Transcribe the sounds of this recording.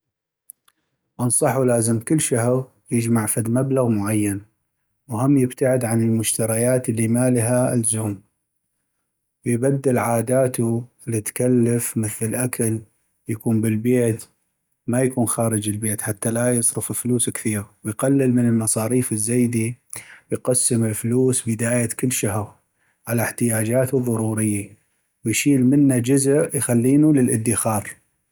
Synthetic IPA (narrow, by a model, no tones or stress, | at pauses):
ʔɑnsˤɑħulaːzəmkɪlːʃahɾ | jɪd͡ʒmaʕfad̪mablaɣmʊʕajːan | whʊmːjɪbt̪aʕɪd̪ʕanɪlmʊʃt̪aɾajaːt̪əlːimaːlɦalzuːm | wjbad̪ːɪlʕaːd̪aːt̪uɪlːit̪kalːafmɪθɪlʔakʰal | jakuːmbɪlbeːt̪ | majakuːnxaːɾɪd͡ʒɪlbeːt̪ħat̪ːalajɨsˤɾɨfɪlfluːskθiːɾwɪjqalːɪlmənəlmɑsˤɑːɾiːfɪzːeːd̪iwjqasːəmɪlfʊluːsbɪd̪aːjakɪlːʃaɦɾ | ʕalaħt̪ɪjaːd͡ʒaːt̪uðˤɑɾuːɾɪjːa | wjʃiːlmɪnːad͡ʒʊzəʔjxalːiːnulɪlʔɪd̪ːɪxɑːɾˤ